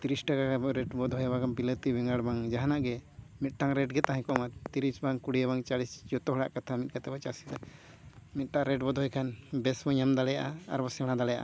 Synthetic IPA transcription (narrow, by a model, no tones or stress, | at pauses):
t̪iɾisʈakakabɔʔɾɛʈbɔd̪ʱɔjbakanbilət̪ibɛŋaɽbaŋd͡ʒaɦanaʔɡɛmit̪̚ˀʈaŋɾɛʈɡɛt̪aɦɛ̃kɔmat̪iɾisbaŋkuɽijaβaŋt͡ʃalisd͡ʒɔt̪ɔɦɔɽa̰ʔkat̪ʰamit̪̚kat̪ɛbat͡ʃasid̪a | mit̪̚ʈaʔaɾɛʈbɔd̪ʱɦɔjkʰanbɛsbɔɲamd̪alɛjaʔaa̰ɾbɔsɛɽ̃ãd̪alɛja̰ʔa̰